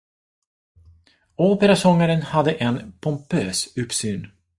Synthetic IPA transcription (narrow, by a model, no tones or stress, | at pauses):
oːpəɾasɔŋːaɾənhad̪ːəʔɛnpʰɔmpʰøːsɵpsyːn